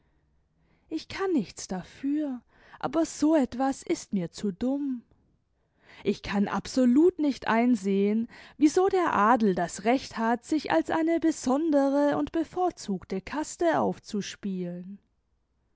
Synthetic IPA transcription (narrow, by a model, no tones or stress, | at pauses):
ʔɪçkʰanːɪçt͡sd̥afyːɐ | ʔa̰ːbɐz̥oːɛtv̥asɪstmiːɐt͡suːdʊm | ʔɪçkʰanʔa̰pz̥oluːtnɪçtʔa̰ɪnzeːənviːzoːdeːɐʔaːdl̩dasʁɛçthatz̥ɪça̰lsʔa̰ɪnəbəzɔndəʁəʊntb̥əfoːɐt͡suːktəkʰastəʔa̰ʊft͡suʃpiːlən